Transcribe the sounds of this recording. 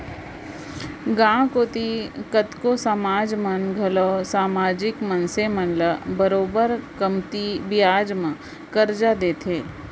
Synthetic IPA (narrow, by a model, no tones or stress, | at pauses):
ɡãːkoːt̪ikət̪kosaːmaːd͡ʒmənɡʱɐlɔːsaːmaːd͡ʒɪkmənsemənləbəɾoːbəɾkəmt̪ibɪjaːd͡ʒmã | kəɾd͡ʒad̪eːt̪ʰeː